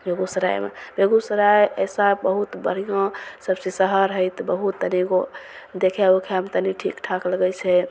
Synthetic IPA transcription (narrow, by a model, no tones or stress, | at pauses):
bʱeɡusəɾa̰jmḛbʱeɡusəɾajə̰sabəɦut̪bəɽ̤ijõsəbsesəɦəɾɦəjt̪bəɦut̪ːəniɡo | d̪ekʰɛokʰemt̪əniʈʰḭkʈʰakləɡəjt͡ʃʰɛ